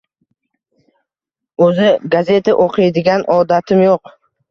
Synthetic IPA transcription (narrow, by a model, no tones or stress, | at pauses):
ɵzɪɡaze̞t̪ʰaʔoqʰijd̪ɪɡʲanʔɒd̪at̪ʰɪmjoq